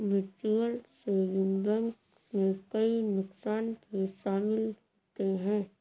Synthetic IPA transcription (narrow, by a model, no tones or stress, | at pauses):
ʋɪɾt͡ʃuəlsejʊmd̪ə̃ŋk | mẽkɐinʊksaːnpeʃaːmɪlɦoːt̪eɦɛ̃ː